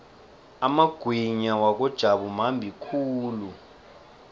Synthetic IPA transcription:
amaɡ̥ʱwiɲawak̬ɔd̥ʒ̥ʱaɓum̤ambʱikʰuːlu

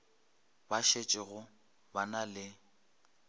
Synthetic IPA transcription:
baʃet͡ʃʼɪɣʊ | banalɪ

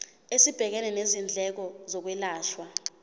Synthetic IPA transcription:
esib̥ʱɛk̬ɛnɛnezind͡ɮʱɛk̬ɔzɔk̬wɛlaːʃwa

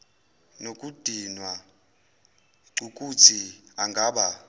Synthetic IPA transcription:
nokʼud̥ʱinwa | ǀukʼut͡sʰiaŋɡʱaːɓa

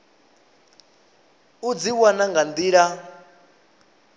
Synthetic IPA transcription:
ud͡ziwanaŋɡand̪iːɺa

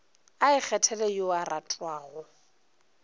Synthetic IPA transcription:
aɪk͡xʰɛtʰɛlɛjoaratʼwaːɣɔ

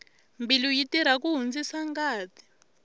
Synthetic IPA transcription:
mbilujitiɾ̤ak̬uɦund͡zisaŋɡaːtʰi̥

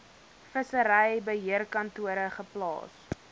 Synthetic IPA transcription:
fəsəɾəjɛbəɦiərkɐntuəɾəχəplɑ̰ːs

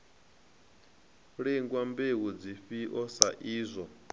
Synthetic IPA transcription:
ɺiŋɡwambewud͡ziɸiʔɔsaʔiːzʷɔ

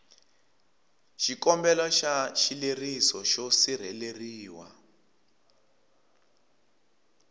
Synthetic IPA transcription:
ʃikɔmbɛlɔʃaʃilerisɔʃosir̤ɛleriːwa̰

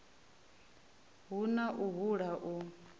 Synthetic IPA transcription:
ɦunaʔuɦuɺaʔu

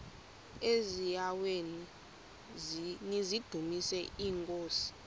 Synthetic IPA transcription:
ezijaweni | nizid̥ʱumisɛʔiːŋkʼoːsi̥

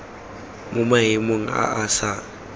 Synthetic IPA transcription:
mʊmaɦɪmoŋ̩a̰ʔasa

